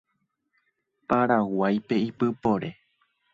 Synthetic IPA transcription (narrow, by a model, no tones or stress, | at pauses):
paɾawajpe̞ipɨpoɾe